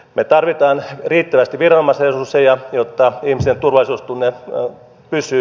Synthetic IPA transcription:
met̪ɑrʋit̪ɑːnriːt̪ːæʋæst̪iʋirɑnomɑsresusejɑjot̪ːɑihmist̪ent̪urʋɑlisuːst̪unːe | pysˑyː

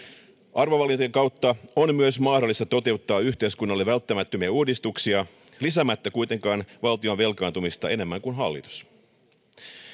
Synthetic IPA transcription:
ʔɑrʋoʋɑlint̪ːeŋkɑwt̪ːɑonmyøsmɑːdo̞lːist̪ɑt̪o̞t̪e̞ut̪ːɑːyht̪e̞iskunːɑlːeʋælt̪ːæmæt̪ːømiæuːdist̪uksiɑ | lisæmæt̪ːækujt̪e̞ŋkɑːnʋɑlt̪ionʋe̞lkɑːnt̪umist̪ɑe̞ne̞mːæŋkunɦɑlːḭt̪u̥s

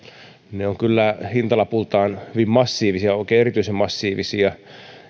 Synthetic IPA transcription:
neoŋkylːæhint̪ɑlɑpult̪ɑːnhyʋimmɑsːiːʋisiɑoˑikeːeɾit̪yisemmɑsːiːʋisiɑ

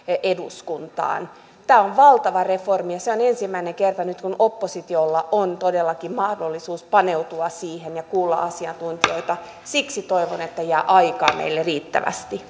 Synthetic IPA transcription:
eduskunt̪ɑ̰ːn | t̪æːoʋʋɑlt̪ɑʋɑreformijɑseonensimːæineŋkert̪ɑnyt̪kunʔopːosit̪iolːɑʔont̪odelːɑkimmɑhdolːisuːspɑneut̪uɑsiːhenjɑkuːlːɑ̰ʔɑsiɑnt̪unt̪io̞it̪ɑ | siksit̪oiʋonet̪ːæjæːʔɑikɑ̰ːmʔḛilːeriːt̪ːæ̰ʋæ̰st̪i

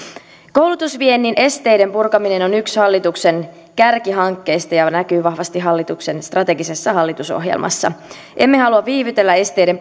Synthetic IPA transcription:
ko̞wlut̪usʋienːinʔe̞st̪e̞jde̞mpurkɑmine̞nonykshɑlːit̪ukse̞n | kærkiɦɑŋkːe̞jst̪ɑjɑnækyːʋɑhʋɑst̪iɦɑlːit̪ukse̞nst̪rɑt̪e̞ɡise̞sːɑɦɑlːit̪uso̰ɦjḛlmʔɑ̰sːɑ̰ | ʔe̞mːe̞ɦɑluɑʋʋiːʋyt̪e̞lːæe̞st̪e̞jde̞m

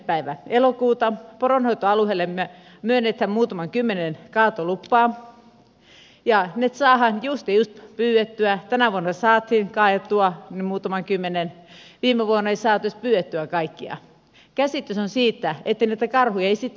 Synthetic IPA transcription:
pæiʋæelokuːt̪ɑporonhoit̪oɑluhelːemmyø | myønːet̪hæmmuːt̪ɑmɑŋkymːenenkɑːt̪olupːɑː | jɑnet̪sɑːhɑnjust̪ijust̪pyːwet̪ːyæt̪ænæʋuonːɑsɑːt̪hinkɑːjɑt̪ːuɑnimuːt̪ɑmɑŋkymːenenʋiːmeʋuonːɑeisɑːt̪yst̪pyːwet̪ːyækɑikːiɑ̰ | kæsit̪ːysonsiːt̪ːæet̪ːeinæit̪ækɑrhujɑeisit̪ː

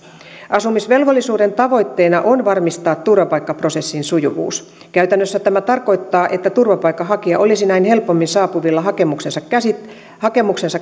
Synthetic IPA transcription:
ʔɑsumisʋe̞lʋo̞lːisuːde̞nt̪ɑʋo̞jt̪ːe̞jnɑʔonʋɑrmist̪ɑːt̪tːurʋɑpɑjkːɑpro̞se̞sːinsujṵʋṵːs | kæyt̪ænːøsːæt̪æmæt̪ɑrko̞jt̪ːɑːʔet̪ːæt̪urʋɑpɑjkːɑɦɑkiɑʔo̞lisinæinhe̞lpomːinsɑːpuʋilːɑɦɑkemuksensɑkæsi | hɑke̞muksensɑ

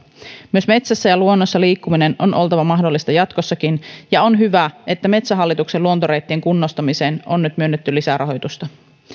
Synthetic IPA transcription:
myø̞sme̞t̪sæsːæjɑluo̞nːosːɑliːkːumine̞no̞nʔo̞lt̪ɑʋɑmɑɦdo̞lːist̪ɑjɑt̪ko̞sːɑkinjɑonɦyʋæʔe̞t̪ːæme̞t̪sæɦɑlːit̪ukse̞luo̞nt̪oɾe̞jt̪ːieŋkunːost̪ɑmise̞ːnonːyt̪myønːet̪ːylisæɾɑɦo̞jt̪ust̪ɑ

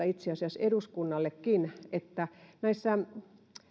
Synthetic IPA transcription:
ɑit̪seɑsiɑseduskunːɑlːekːinet̪ːænæisːæ

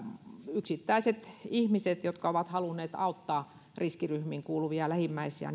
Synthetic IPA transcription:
yksit̪ːæiset̪ihmiset̪jot̪kɑoʋɑt̪hɑlunːˑeːt̪ɑˑut̪ːɑː | riskiryhmiŋkuːluʋiɑlæhimːæisiɑ̰

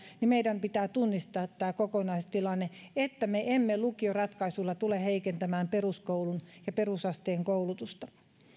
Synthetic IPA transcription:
nimeiɾæmpit̪æːt̪unːist̪ɑːt̪ːæːkokonɑist̪ilɑnːeet̪ːæmeʔemːelukiorɑt̪kɑisulːɑt̪uleheikent̪æmæːmperuskoulunjɑperusɑst̪eːŋkoulut̪ust̪ɑ̥

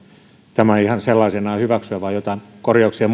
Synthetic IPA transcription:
t̪æmæihɑnselːɑisenɑːhyʋæksyæʋɑːjot̪ɑˑinkorjɑuksiɑm

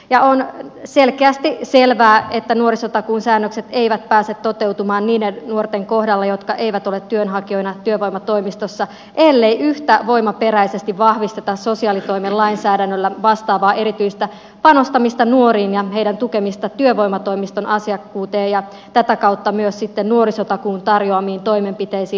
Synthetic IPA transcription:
jɑonselkeæst̪iselʋæːet̪ːænuoɾisot̪ɑkuːnsæːnːøkset̪e̞iʋæt̪̚pæːset̪ːo̞t̪ewt̪umɑːnniːdennuort̪eŋkohdɑlːɑjo̞t̪kɑʔe̞jʋæt̪o̞let̪ːyønɦɑkio̞jnɑt̪yøʋojmɑt̪o̞imist̪osːɑ | ʔelːejʔyht̪æʋo̞imɑpeɾæisest̪iʋʋɑhʋist̪e̞t̪ɑssosiɑːlit̪o̞imellɑinsæːdænːølːæʋɑst̪ɑːʋɑːʔe̞ɾit̪yjst̪æ | pɑno̞st̪ɑmist̪ɑnuoɾiːnjɑhe̞idænt̪ukemist̪ɑt̪yøʋo̞jmɑt̪o̞imist̪o̞nʔɑsiɑkːuːt̪eːjjɑ | t̪æt̪ækɑwt̪ːɑmyøssit̪ːennuo̞ɾisot̪ɑkuːnt̪ɑrjoɑmiːnt̪o̞jmempit̪eisiː

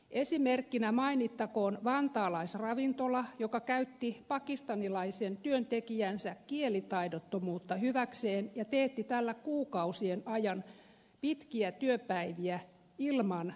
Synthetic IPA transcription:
ʔesimerkːinæmɑinit̪ːɑkoːnʋɑnt̪ɑːlɑisrɑʋint̪olɑjokɑkæyt̪ːipɑkist̪ɑnilɑisent̪yønt̪ekijænsækkielit̪ɑidot̪ːomuːt̪ːɑhyʋækseːnjɑt̪eht̪it̪ælːækuːkɑusienɑjɑn | pit̪kiæt̪yøpæiʋiæ | ilmɑn

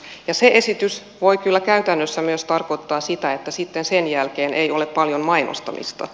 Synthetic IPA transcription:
jɑseʔesit̪ys | ʋoikylːækæyt̪ænːøsːæmyøst̪ɑrkot̪ːɑːsit̪æet̪ːæsit̪ːensenjælkeːnʔejo̞leppɑljommɑino̰st̪ɑ̰mḭst̪ɑ̰

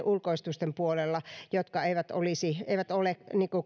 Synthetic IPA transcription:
ʔulkoist̪ust̪empuolelːɑjot̪kɑeiʋæt̪olisiḛiʋæt̪oleniːku

